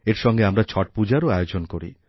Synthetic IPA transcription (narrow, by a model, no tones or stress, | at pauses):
eɾʃɔŋɡeamɾat͡ɕʰɔʈ̚pud͡ʑaɾoajod͡ʑonkoɾḭ